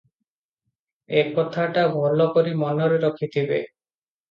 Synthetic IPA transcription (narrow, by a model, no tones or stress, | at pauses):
ekɔt̪ʰaʈabʱɔlɔkɔɾimɔnɔɾeɾɔkʰit̪ʰibe